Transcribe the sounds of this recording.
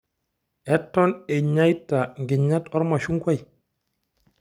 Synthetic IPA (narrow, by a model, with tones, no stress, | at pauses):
ɛtːɔ˦nɛ˨ɲa˦jtːa˨ŋɡi˨ɲa˦tɔ˦ɾma˨ʃu˦ŋɡwa˦j